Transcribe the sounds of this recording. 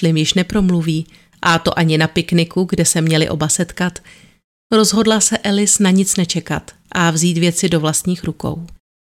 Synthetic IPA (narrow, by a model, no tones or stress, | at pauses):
lɪmjɪʃnɛpɾo̞mluviː | ʔat̪o̞̰ʔaɲɪnapɪknɪkuɡdɛsɛmɲɛlɪ̰ʔo̞basɛt̪kat̪ | ɾo̞zɦo̞dlasɛʔɛlɪsnaɲɪt͡snɛt͡ʃɛkat̪ | ʔavziːt̪vjɛt͡sɪdo̞vlast̪ɲiːxɾuko̞̰w